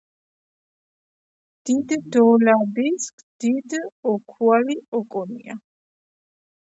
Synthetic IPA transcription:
d̪̥id̪d̪ɔlabiskʰ | d̪̥id̪ɔkʰualiɔkʼɔnḭa̰

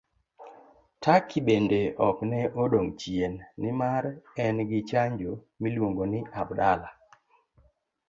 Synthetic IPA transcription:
tʰakʰːibendeɔknɛʔodoŋt͡ʃienːɪmaɾɛnɡɪt͡ʃaɲd͡ʒo | milwoŋɡonɪʔabdala

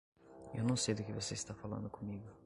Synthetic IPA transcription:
ewnɐ̃w̃sejd̪ʊkɪvoseist̪afalɐ̰̃nd̪ʊkõmiɡʊ

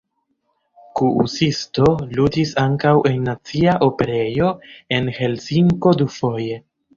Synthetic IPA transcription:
kuṵsisto̞ludisaŋkawʔe̞nːat͡siaʔo̞pe̞ɾe̞jo̞e̞nhe̞lsiŋko̞dufo̞je̞

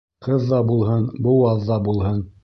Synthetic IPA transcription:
qɤðːɑbulˠɦɤnbuwɑðːɑbulˠhɤn

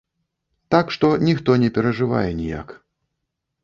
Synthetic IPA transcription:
t̪akʂt̪ɔnʲixt̪ɔnʲɛpʲɛɾɐʐɨva̰jɛnʲija̰k

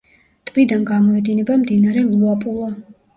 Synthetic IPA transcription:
t̪ʼbid̪anɡamɔɛd̪inɛbamd̪inaɾɛlˠuapʼulˠa

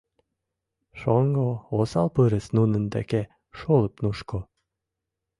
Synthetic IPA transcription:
ʃoŋɡoosɑlpɨɾə̆snunə̆nd̪æ̰ke | ʃolə̆pnuʃko

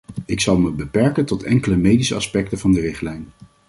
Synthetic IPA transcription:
ɪksɑlˠməbəpɛɹkəntɔtʰɛŋkələmejdisəɑspɛk̚təvɑndərɪχtlɛjn

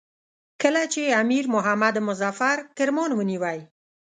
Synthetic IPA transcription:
kəlat͡ʃeamiɾmʊɦamad̪mʊzafaɾkɪɾmɑnwəniwaj

